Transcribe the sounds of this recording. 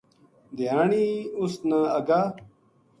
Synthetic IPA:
d̪ijaːɳiusnaɐɡaː

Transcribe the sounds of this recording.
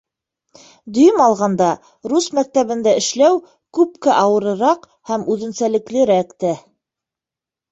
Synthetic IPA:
d̪ɵ̆jɵmɑlˠʁɑnd̪ɑ | ɾusmæk̚t̪æβɘ̆nd̪æɘ̆ʃlæw | kʉpkæʔɑwɤ̆ɾɤ̆ɾɑq | hæmʉðɘ̆nsælɘ̆klɘ̆ɾækt̪æ

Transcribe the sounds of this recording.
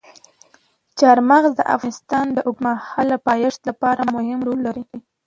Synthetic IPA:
t͡ʃɑɾmaɣzd̪əʔa̰fɣɑnɪst̪ɑnd̪əʔʊkmahɑlapɑjɪʂt̪lapɑɾamʊhɪmɾolːaɾi

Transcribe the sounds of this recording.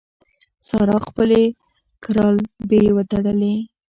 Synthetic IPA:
sɑɾɑxpəle | kɪɾɑlbewət̪aɽəle

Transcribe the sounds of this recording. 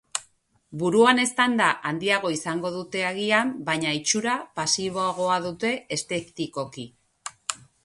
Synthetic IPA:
buɾuane̞st̪and̪aʔand̪iaɣ̞o̞isaŋɡo̞ð̞ut̪e̞aɣiambajɲait͡ʃuɾapasiβ̞o̞aɣ̞o̞aðut̪e̞est̪e̞kt̪iko̞ki

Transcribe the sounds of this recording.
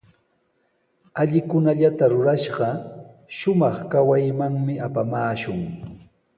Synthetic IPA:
aʎɪkʊnaʎat̪aɾʊɾaʃɢɑ | ʃʊmɑχkawajmaŋmɪapamaːʃʊŋ

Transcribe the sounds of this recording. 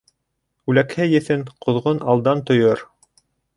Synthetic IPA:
ʉlækhɘjɘ̆θɘnqŏðʁonɑlˠd̪ɑnt̪ŏjoɾ

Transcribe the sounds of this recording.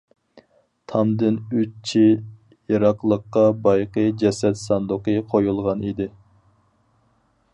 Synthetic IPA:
t̪ʰɑmd̪ɪnøtt͡ʃʰi | jiɾɑqlˠəqːɑbɑjqəd͡ʒɛsɛt̪sɑnd̪ʊqəqʰojulˠʁɑnid̪ɪ

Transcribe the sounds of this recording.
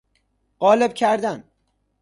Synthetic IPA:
ɢ̥ɒːleb̚cʰæɾd̪æn

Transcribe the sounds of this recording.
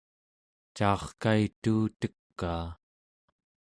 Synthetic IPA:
t͡ʃɑːχkait̪uːt̪əkːaː

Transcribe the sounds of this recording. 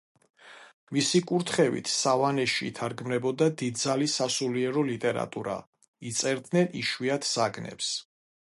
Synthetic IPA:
misikʼuɾt̪ʰχɛvḭt̪ʰsavanɛʃḭːt̪ʰaɾɡmnɛbɔd̪ad̪id̪̚zalisasuliɛɾɔlit̪ʼɛɾa̰t̪ʼuɾa̰ | it̪sʼɛɾd̪nɛniʃwiat̪ʰz̥aɡnɛ̰ps

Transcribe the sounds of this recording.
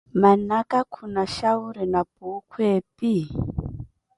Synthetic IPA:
manakakʰunaʃauɾinapuːkʰweːpi

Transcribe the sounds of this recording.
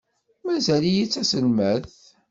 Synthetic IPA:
mæzælijit͡sːæsəlməθ

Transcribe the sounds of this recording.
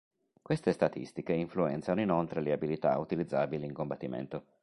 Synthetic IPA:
kwest̪est̪at̪ḭst̪ikeiɱfluɛnt̪sanoinolt̪ɾeleabilit̪a̰ut̪ilid̪zːaːbiliiŋkombat̪ːimḛnt̪o

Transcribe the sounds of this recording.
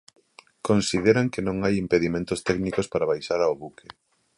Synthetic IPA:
konsið̞eɾaŋkenõŋajimpeðimẽnt̪ʊst̪ɛknikospaɾaβajʃaɾaoβuke

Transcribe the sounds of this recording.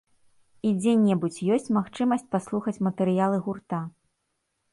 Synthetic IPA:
id͡zʲɛnʲɛbut͡sʲjɔsʲt͡sʲmaxt͡ʂɨmɐsʲt͡sʲpaslˠuxɐt͡sʲmɐt̪ɛɾɨjalˠɨɣurt̪a

